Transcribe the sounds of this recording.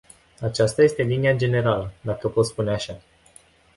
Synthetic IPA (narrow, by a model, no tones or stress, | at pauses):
at͡ʃast̪aje̞st̪e̞linijad͡ʒe̞ne̞ɾaləd̪akəpot̪spuneaʃa